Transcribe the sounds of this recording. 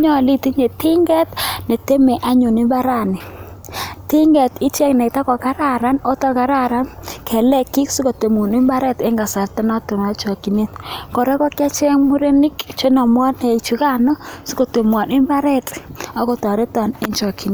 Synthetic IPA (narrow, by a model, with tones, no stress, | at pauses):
ɲɔ˦˨li˦ti˦ɲe˨ti˦ŋɡɛ˦tne˨te˦me˨ʔa˦ɲo˨ni˦mba˦ɾa˦˨nɪ˨ | ti˦ŋɡɛ˨ti˦t͡ʃɛ˦knɛ˨ta˦kɔ˨ka˦ɾa˦ɾa˦no˦tɔ˦ka˨ɾa˦ɾa˦nkʰɛ˨lɛ˦ki˦ksu˦ko˨te˨mo˨ni˦mba˦ɾɛ˦te˦ŋɡa˨sa˨ɾtɛ˦nɔ˦to˨ma˨t͡ʃo˨ki˨ne˦tko˨ɾɛ˦kɔ˦ka˦t͡ʃɛ˦ŋmu˦ɾe˦ni˦kt͡ʃe˦nɔ˨m˦ɔ˦ne˨i˨t͡ʃu˨˦ka˦nɔ˦si˦ko˨to˨mwa˨nɪ˦mba˦ɾɛ˦tɔ˦ko˨tɔ˨ɾe˦tɔ˨ne˦ɲt͡ʃo˨ki˨ne˨